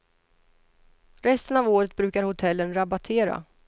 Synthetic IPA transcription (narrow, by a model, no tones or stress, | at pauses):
ɾɛst̪ənavoːɾət̪̚bɾʉ̟ːkaɾhʊt̪ʰɛlːənɾabat̪ʰeːɾa̰